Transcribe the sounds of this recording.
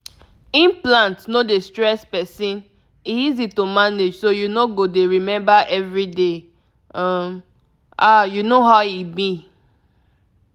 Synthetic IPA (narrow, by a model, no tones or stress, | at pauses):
ĩnplãntnodestɹɛspɛsĩn | iizitomaned͡ʒsojunoɡodeɹimɛ̃mbaʔɛvɹide | ʌ̃m | ʔajunoɦaʊibi